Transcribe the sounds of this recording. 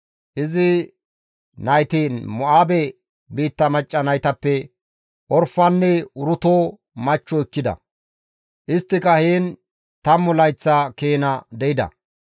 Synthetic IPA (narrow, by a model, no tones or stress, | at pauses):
ʔɪzɪ | nɐjt̪imʊʔaːbɛ | biːt̪ːɐmɐt͡ʃʼːɐnɐjt̪ɐpːɛ | ʔɔɾfɐnːɛʊɾʊt̪oː | mɐt͡ʃːɔɪkːɪd̪ɐ̰ | ʔɪst̪ːɪkɐheːn | t̪ɐmːʊlɐjt͡sːɐkeːnɐd̪ɛɪd̪ɐ̰